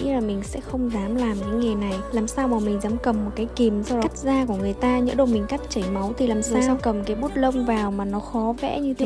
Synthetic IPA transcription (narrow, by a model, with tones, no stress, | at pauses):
ḭ˧˥laː˨˩mï˨˩ŋ̟sɛ̰˧˥xə˧wŋ͡mzaː˨˦mlaː˨˩mɲa˨˦ŋŋe˨˩na˨˩jlaː˨˩msaː˧wmaː˨˩mï˨˩ŋ̟zaː˨˦mkə˨˩mːo˨˩t̚kaː˨˦jki˨˩mzka˦˥k̚zaː˧ku˧˩əŋɨ˨˩əjt̪aː˧ɲə̰˧˥ɗə˧˩wmi˨˩ŋ̟ka˦˥k̚t͡ɕə˧˩jma˨˦wt̪ʰi˨˩laː˨˩msaː˧wkə˨˩mkaː˨˦jɓu˦˥t̚lə˧wŋ͡mvaː˨˩wmaː˨˩nɔ˨˦xɔ˨˦vɛ̰˧˥ɲɨ˧t̪ʰe˧˦